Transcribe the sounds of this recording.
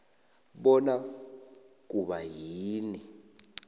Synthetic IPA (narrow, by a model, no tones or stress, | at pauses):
ɓɔna | k̬uɓajiːni